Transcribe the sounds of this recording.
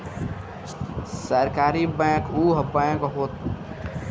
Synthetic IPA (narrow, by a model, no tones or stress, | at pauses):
səɾkaːɾibɛ̃ːkuːɦəbə̃kɦoːt̪